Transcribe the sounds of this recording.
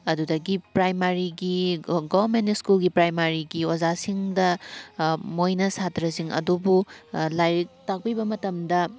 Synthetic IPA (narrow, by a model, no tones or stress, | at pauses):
ɐdudɐɡipɾajmaɾiɡiɡobɐɾmentiskulɡipɾajmaɾiɡiozasiŋdɐ | mojnɐsatɾɐsiŋɐ̰dubulajɾik̚tak̚pibɐmɐtɐmdɐ